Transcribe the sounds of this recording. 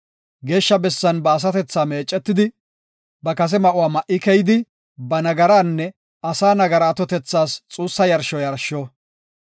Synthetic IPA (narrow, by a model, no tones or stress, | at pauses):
ɡe̞ːʃːɐbɛsːɐnbɐːs̬ɐt̪ɛt͡sːaːme̞ːt͡ʃʼːɛt̪ːɪd̪ɪ | bɐkɐs̬ɛmɐʔʊwaːmɐʔɪkɛjɪd̪ɪ | bɐnɐɡɐɾaːnːɛ | ɐsaːnɐɡɐɾaːt̪ɔt̪ɛt͡sːaːst͡sʼuːsːɐjɐɾʃɔjɐɾʃɔ